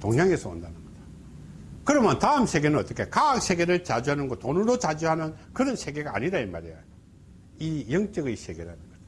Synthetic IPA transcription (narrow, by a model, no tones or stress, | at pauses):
t̪oŋɲaŋe̞sʰʌo̰ndanɯnɡʌda | kɯɾʌmjʌntaɯmsʰe̞ɡe̞nɯʌt͈ʌkʰe̞kak̚sʰe̞ɡe̞ɾɯɭt͡ɕad͡ʑuɦanɯnɡotonuɾot͡ɕad͡ʑuɦanɯnkɯɾʌnsʰe̞ɡe̞ɡa̰ːɲiɾaima̰ɾeja | ijʌŋt͡ɕ͈ʌɡeisʰeɡe̞ɾanɯnɡʌd͡ʑa